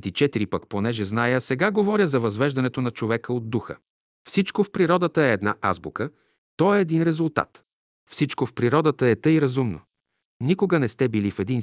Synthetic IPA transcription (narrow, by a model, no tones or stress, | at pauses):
t̪it͡ʃɛt̪iɾipəkponɛʒɛznajəsɛɡaɡovɔɾʲjəzɐvɐzvɛʒd̪ɐnɛt̪onɐt͡ʃovɛkəod̪ːuxə̰ | fsit͡ʃkofpɾiɾɔd̪ət̪əɛːd̪na̰ʔa̰zbukə | t̪ɔɛːd̪inɾɛzulˠt̪a̰t̪ | fsit͡ʃkofpɾiɾɔd̪ət̪əɛt̪əiɾɐzumno̰ | nikoɡənɛst̪ɛbilifɛd̪in